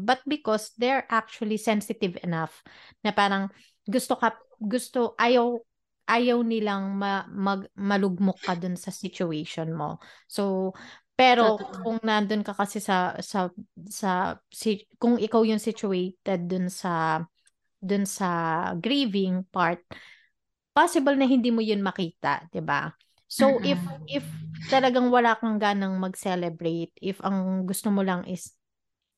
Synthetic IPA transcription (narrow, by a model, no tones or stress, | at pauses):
bɐt̪̚bɪkosd̪ɛɹʔak̚t͡ʃʊɐlisɛnsɪt̪ɪvɛnaf | nɐpaːɾɐŋ | ɡʊst̪okɐ | ɡʊst̪oʔaːjɐw | ʔaːjɐwnɪlaŋmɐmɐɡmɐlʊɡ̚mokːɐd̪ʊnsɐsɪt͡ʃʊɛjʃonmo̰sopɛːɾo̞kʊŋnɐnd̪onkɐkɐsɛsɐsɐsɐsɪkʊŋʔɪkawjʊŋsɪt͡ʃʊɛjt̪ɛd̪̚ːʊnsɐ | d̪ʊnsɐɡɾiːvɪŋpaɹt̪̚ | paːsɪbɐlnɐɦɪnd̪iːmojʊnmɐkiːt̪ɐ̰ʔd̪̥ɪba̰ | sowʔɪfʔɪft̪ɐlɐɡaŋwɐlaːkɐŋɡaːnɐŋmɐɡ̚sɛlɛbɹejt̪̚ʔɪfɐŋɡʊst̪omolɐŋʔɪs